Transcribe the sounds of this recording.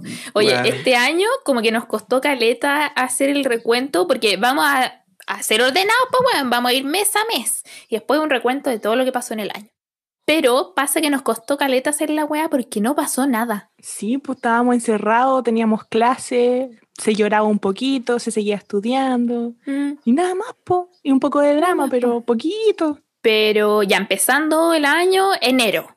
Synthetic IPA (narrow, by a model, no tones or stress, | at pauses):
ojeʔest̪eaɲokomokeno̞hko̞st̪okalet̪aːseɾelre̞kwe̞nt̪opoɾkeβamosa | aseɾo̞ɾðe̞naospaweobamosaiɾme̞same̞siðehpwesunre̞kwe̞nt̪o̞ðet̪o̞ðolo̞kepaso̞enelʔa̰ɲo | pe̞ɾopasakeno̞sko̞st̪o̞kalet̪aːse̞ɾlaɣweapo̞ɾkeno̞paso̞naða | sipo̥t̪aβamosenseraðot̪e̞niamohklase | seʝo̞ɾaβaumpokit̪oseseɣiaest̪uðjand̪oinaðamaspoiumpokoðeðɾamapeɾopok̬it̪o | peɾoʝaempe̞sand̪oelaɲoeneɾo